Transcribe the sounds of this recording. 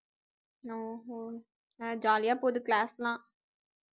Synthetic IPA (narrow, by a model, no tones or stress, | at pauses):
oːɦo | ɛ̃d͡ʒaːlijaːpoːd̪klaːslãː